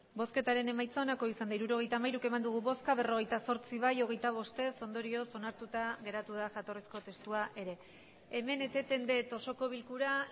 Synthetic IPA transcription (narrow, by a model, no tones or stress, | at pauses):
bo̞ske̞t̪aɾe̞ne̞majt͡soːnako̞isand̪aiɾuɾo̞ɣ̞e̞jt̪amajɾuke̞mand̪uɣ̞uβo̞skaβe̞ro̞ɣ̞e̞jt̪aso̞ɾt͡siβ̞ajoɣ̞e̞jt̪aβ̞o̞st̪e̞so̞nd̪o̞ɾio̞so̞naɾt̪ut̪aɣe̞ɾat̪uðaʝat̪o̞risko̞t̪e̞st̪uaʔe̞ɾe̞ː | me̞ne̞t̪e̞t̪e̞nd̪e̞t̪o̞so̞ko̞βilkuɾa